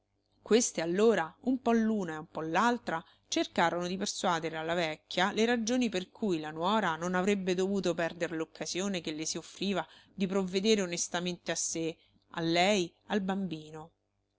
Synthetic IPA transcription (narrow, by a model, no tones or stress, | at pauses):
kwest̪ealːoːɾaumpɔlːuːnaeumpɔlːalt̪ɾa | t͡ʃerkaːɾonod̪iperswaːd̪eɾealːavɛkːjaleɾad͡ʒoːniperkʰujlanwɔːɾanonavɾebːed̪ovuːt̪opɛrd̪eɾelokːaz̥joːnekelːesiofːɾiːvad̪ipɾovːed̪eːɾeonest̪ament̪easːe | a̰lːɛj | albambiːno